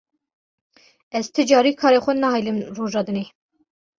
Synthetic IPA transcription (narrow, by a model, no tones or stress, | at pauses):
ɛzt̪ʰɨd͡ʒɑːɾiːkʰɑːɾeːxʷɛnɑhɑːjlɨmroːʒɑːd̪ɨneː